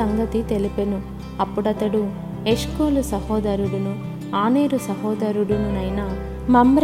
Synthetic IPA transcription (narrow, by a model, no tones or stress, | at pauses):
ɐŋɡɐt̪it̪e̞lipenu | ɐpːuɽɐt̪ɐɽu | e̞ʂkuːlusɐhɔːd̪ɐɾuɽunu | aːneːɾusɐɦɔːd̪ɐɾuɽununɐjna | mɐmbɾ